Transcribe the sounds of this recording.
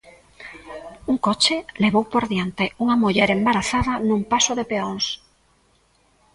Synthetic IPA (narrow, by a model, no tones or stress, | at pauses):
uŋkɔt͡ʃeleβowpoɾðjant̪euŋɐmuʎɛɾembaɾaθaðanũŋpasoðepeons